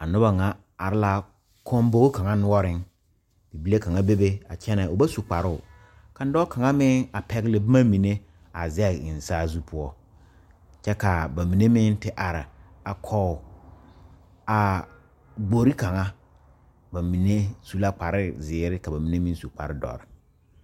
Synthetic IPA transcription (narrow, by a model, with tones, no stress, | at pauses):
a˨nʊ˦ba˨ŋa˨ | a˨ɾɪ˦la˦ | kʰɔ˦mbo˦ka˨ŋa˦nʊ˦ɔ˦ɾɪ˦n | bi˨bi˦le˦ka˨ŋa˦be˦be˦a˨t͡ʃʰɛ˦nɛ˨o˨ba˦su˨k͡pa˨ɾʊ˦ʊ˨ | ka˨n˦dɔ˦ka˨ŋa˦mɪ˦a˨pʰɛ˨ɡlɪ˨bɪ˦ma˦mi˨ne˦ | a˨zɛ˦˨ɪ˨n˨saː˦zu˦pʰʊ˦ɔ˦ | t͡ʃɛ˦ka˨ba˨mi˨ne˦mɪ˦ntɪ˦ʔa˨ɾɪ˨ | a˨kʰɔ˦ʊ˨ | a˨ | ɡ͡bo˨ɾi˦ka˨ŋa˦ | ba˨mi˨ne˦su˦la˦k͡pa˨ɾɪ˦zɪː˨˦ɾɪ˦ka˨ba˨mi˨ne˦mɪ̃˦n˦su˨k͡pa̰˨ɾɪ˦dɔ̰˨ɾɪ˨